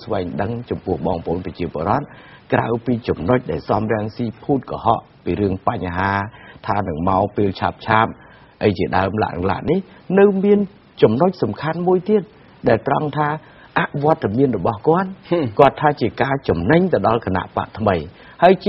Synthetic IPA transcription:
sʋaɛŋɗəŋt͡ɕɑmpʊəhɓɑːŋpə̰ʔo̰ːnprɑt͡ɕiəpoəɾŏət̪̚kra̰wpiːt͡ɕɑmnoc̚ɗaɛlsɑmrɛ̆əŋsiːpʰuːt̪̚kɑ̰ɦɑ̰ʔ | piːɾɨəŋpaɲɦaːt̪ʰaːnɨŋmaɔpeːlt͡ɕʰa̰ːp̚t͡ɕʰaːp̚ | ʔəjt͡ɕiəɗaəmla̰ʔnɨ̰ŋla̰ʔnihnɨwmiən | t͡ɕɑmnoc̚sɑmkʰanmuəjt̪iət̪̚ | ɗaɛlt̪rɑŋt̪ʰaː | ʔaʔʋŏət̪ːamiənrɔɓɑhkŏət̪̚kŏət̪ʰːaːt͡ɕiəkaːt͡ɕɑmnɨɲt̪ɨəɗɑlkana̰ʔpa̰ʔt̪ʰməj | haəj

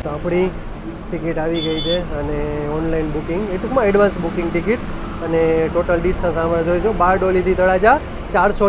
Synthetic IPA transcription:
t̪oapɽ̃i | ʈɪkiʈaʋiɡəit͡ʃʰeəneɔnlainbukɪ̃ŋɡeʈukmãɛɖʋansbukɪ̃ŋɡʈɪkiʈ | əneʈoʈəlɖisʈə̃ɾsãmɾad͡ʒ̪ojt͡ʃʰobaɾɖolit̪ʰit̪ʰəɽad͡ʒa | t͡ʃaɾso

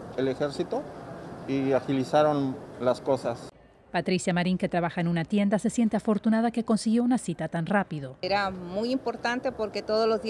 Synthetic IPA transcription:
elexeɾsit̪oiaxilisaɾonlasko̞sas | pat̪ɾisjamaɾiŋke̞t̪ɾaβaxaenunat̪je̞nd̪ase̞sje̞nt̪e̞afo̞ɾt̪unaðake̞ko̞nsiɣjo̞unasit̪at̪anrapiðoeɾamujimpo̞ɾt̪ant̪epo̞ɾke̞t̪oðozlozði

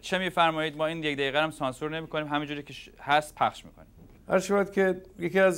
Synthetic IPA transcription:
t͡ʃʰe̞miːfæɾmɒːjiːd̪mɒːiːnjekd̪æjiːɣæɾæmsɒːnsuɾnemiːkʰoniːmɦæmind͡ʒuːɾiːkʲʰehæst̪̚pʰæχʃmḭːkʰonim | ʔæɾʃæβæd̪kʲʰejekiæz

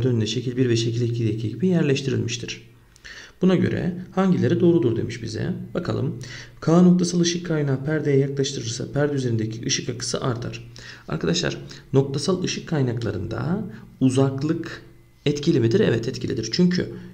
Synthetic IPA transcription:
d̪ønynd̪ɛʃe̞cʰilʲbiɾvɛʃecʰilʲɛcʰilʲd̪ʲecʰiːɟibijæɾlʲɛʃt̪ʰiɾḭlʲmiʃt̪ʰiɾ̝̥ | b̥unaɟø̰ɾɛ̰haɲɟilʲeɾɛd̪o̞ːɾud̪uɾd̪e̞̰miʃbḭzɛ̰bakʰalˠɯ̰mkʰaːno̞k̚t̪ʰasalˠɯʃɯkʰːajnaːpʰæɾd̪ejɛjaklˠaʃt̪ʰɯɾɯɾsa̰pʰæɾd̪yzeɾind̪ecʰiʔɯʃɯkakʰɯ̥sɯ̰ʔaɾt̪ʰa̰ɾ̥a̰ɾkʰad̪aʃlˠa̰ɾ̥no̞k̚t̪ʰasalˠɯʃɯkʰːajnaklˠaɾɯ̰nd̪a̰uzaklˠɯk | ɛt̪cʰilʲimid̪iɾɛ̰vɛt̪ʰɛt̪cʰilʲid̪iɾ̥t͡ʃʰyɲcʰy̰

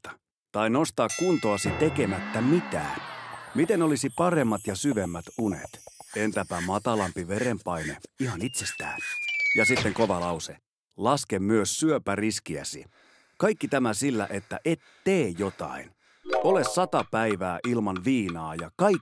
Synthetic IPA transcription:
ɑ̥ | t̪ɑino̞st̪ɑːkkunt̪oɑsit̪e̞ke̞mæt̪ːæmit̪æ̰ːmit̪enolisipɑre̞mːɑt̪jɑsyʋe̞mːæt̪unḛt̪e̞nt̪æpæmɑt̪ɑlɑmpiʋeɾempɑjneihɑnit̪sest̪æ̰ːnjɑsit̪ːe̞ŋko̞ʋɑlɑwse | lɑskemmyøsːyøpærisk̟iæ̰sḭ | kɑikːit̪æmæsilːæ̰ʔe̞t̪ːæ̰ʔet̪ːeːjjo̞t̪ɑ̰in | o̞le̞ssɑt̪ɑpæiʋæːʔilmɑnʋiːnɑːjɑkɑi

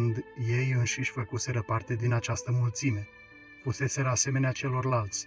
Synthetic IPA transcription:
nd̪je̞jɨnʃiʃʲfəkuse̞ɾəpart̪e̞d̪inat͡ʃast̪əmult̪sime̞ | fuse̞se̞ɾəase̞me̞neat͡ʃe̞lo̞rlalt̪sʲ

